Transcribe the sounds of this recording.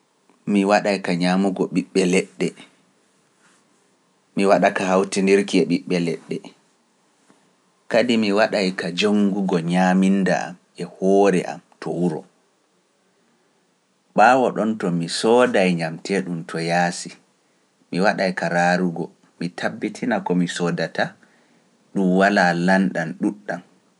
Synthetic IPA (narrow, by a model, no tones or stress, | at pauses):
miwaɗajkaɲamuɡɔɓiɓːɛlɛɗːɛ | miwaɗakahawtindiɾkiɛɓiɓːɛlɛɗːɛ | kadimiwaɗajkad͡ʒoŋɡuɡɔɲaminːda̰a̰m | ɛhɔːɾɛʔa̰mtʰɔwuɾɔ | ɓaːwɔɗɔntɔmisɔːdajɲamtɛɗuntʰɔjaːsi | miwaɗajkaɾaɾuɡɔ | mitʰabːitʰinakɔmisɔdata | ɗumwalalanɗanɗuɗːan